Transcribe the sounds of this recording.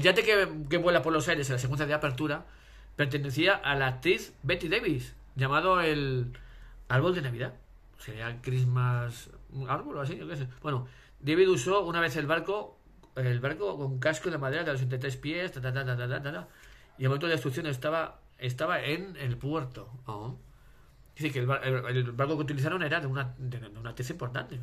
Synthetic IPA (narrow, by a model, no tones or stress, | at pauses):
ʎat̪ekeke̞βwe̞lapo̞ɾlo̞sajɾe̞selas̬ek̬wenθjaðeape̞ɾt̪uɾa | pe̞ɾt̪e̞ne̞θiaʔalak̚t̪ɾiθbe̞t̪iðe̞βis | ʝamað̞o̞e̞l | aɾβo̞ld̪e̞naβiða | seiakɾizmasaɾβoloas̬iʝokes̬ebwe̞no | d̪e̞β̞iðuso̞unaβe̞θe̞lβaɾko̞ | elβaɾkoko̞ŋk̬askoenlamað̞e̞ɾaðeos̬e̞nt̪ajt̪̬ɾe̞spje̞st̪at̪at̪at̪at̪at̪at̪at̪a | ielmoẽnt̪oest̪ɾukθjo̞nest̪aβa | e̞st̪aβaenelpwe̞ɾt̪o̞o | iθikelβaeelβaɾko̞keut̪iliθ̬aɾone̞ɾaðeunad̪ed̪eunat̪eθaimpo̞ɾt̪a̰nt̪e̞